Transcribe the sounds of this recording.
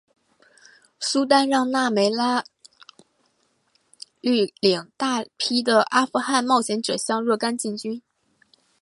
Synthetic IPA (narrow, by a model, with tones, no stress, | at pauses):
su˥t̪̬a˥nɻɑ˥˧ŋna˥˩me˧˥ɪla˥ | ly˥˩ljɑ˨˩ŋt̪a˥˧pʰi˥d̪ə˨ʔa˥fu˧˥xa˥˧nmɑ˥˩ʊɕʰjɛ˧˥nʈ͡ʂɤ˨˩ɕjɑ˥˧ŋɻɤ˥˩ka˥nt͡ɕi˥˩ŋt͡ɕy˥n